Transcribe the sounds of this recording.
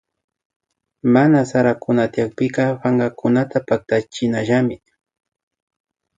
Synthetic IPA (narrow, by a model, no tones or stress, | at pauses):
manasaɾakʊnat̪ɪjak̚pɪkɑpaŋɢakʊnat̪apak̚t̪at͡ʃɪnaʒamɪ